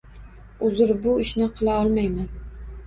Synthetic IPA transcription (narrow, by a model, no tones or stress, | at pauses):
ʊzɪɾbʊɪʃnɪqʰɨlˠaɒlˠmajman